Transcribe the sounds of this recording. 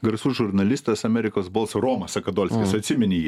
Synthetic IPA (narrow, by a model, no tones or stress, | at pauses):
ɡɐɾsuːʒʊɾnɐlʲɪst̪ɐsɐmʲɛɾʲɪkoːsbolˠsɾoːmɐsɐkɐd̪oːlʲsʲkʲɪsɐt̪ʲsʲɪmʲɪnʲɪjiː